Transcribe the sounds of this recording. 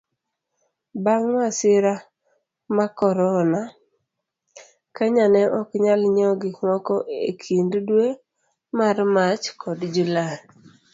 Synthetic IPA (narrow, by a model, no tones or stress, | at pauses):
baŋwasɪɾa | makɔɾɔna | kaɲanɛʔɔkɲalɲɔɡɪŋɔkɔʔekʰinddwe | marmat͡ʃkʰɔdd͡ʒula